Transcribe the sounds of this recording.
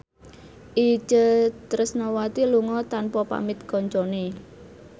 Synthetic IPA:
ʔi̥t͡ʃət̪ɾəsnɔwat̪iluŋɔt̪anpɔpa̰mɪt̪̚kɔɲt͡ʃɔne

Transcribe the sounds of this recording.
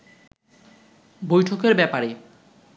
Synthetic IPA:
bojʈʰokeɾbɛpaɾe

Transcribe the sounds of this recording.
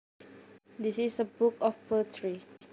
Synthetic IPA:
disisəbukɔfpʰətʰɹi

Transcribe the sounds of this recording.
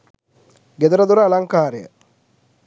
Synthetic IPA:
ɡed̪uɾəd̪uɾəːlaŋkaːɾejə̰

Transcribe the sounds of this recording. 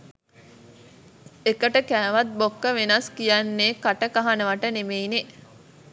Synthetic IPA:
ekəʈəkæːʋat̪̚bokːəʋenaskijanːeːkaʈəkaɦanəʋaʈənemeine

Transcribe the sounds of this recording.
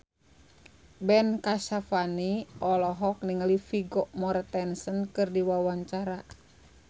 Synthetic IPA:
bɛnkaʃafaniʔɔlɔɦɔk̚niŋalifiɡɔʔmɔɾt̪ɛnsənkɨrdiwawaɲt͡ʃaɾa

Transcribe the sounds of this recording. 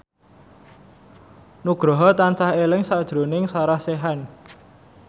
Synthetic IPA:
nuɡ̥ɾɔ̤ɦɔt̪ansahelɪŋsad̥ʒ̥ɾo̤nɪŋsaɾahseɦan

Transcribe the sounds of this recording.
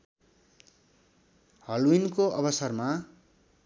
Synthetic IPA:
hʌlwinkoʔʌbʌsʌrma

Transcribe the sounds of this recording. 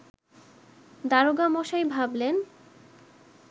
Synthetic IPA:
d̪aɾoɡamɔʃajbʱablen

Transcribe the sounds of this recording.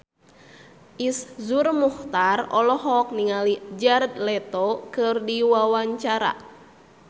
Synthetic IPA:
ʔiszurmuht̪arɔlɔɦɔk̚niŋalid͡ʒard̪̚lɛt̪ɔkɨrdiwawaɲt͡ʃaɾa̰

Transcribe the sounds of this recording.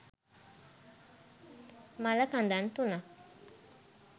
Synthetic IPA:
malakand̪ant̪una

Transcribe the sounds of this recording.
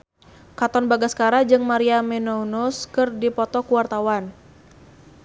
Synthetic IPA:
kat̪ɔnbaɡaskaɾad͡ʒɨŋmaɾiamɛnounuskɨrdipɔt̪ɔkuwart̪awan

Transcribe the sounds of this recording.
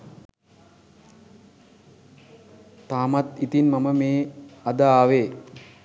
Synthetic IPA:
t̪aːmat̪it̪inmaməmeːad̪aːʋeː

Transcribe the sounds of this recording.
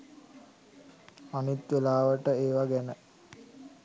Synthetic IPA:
anit̪ʋelaːʋəʈəeːʋaɡɛnə

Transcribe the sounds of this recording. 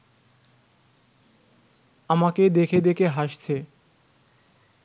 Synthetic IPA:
amaked̪ekʰed̪ekʰeɦaʃt͡ɕʰe

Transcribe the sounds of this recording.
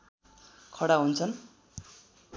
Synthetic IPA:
kʰʌɽaɦunt͡sʰʌn

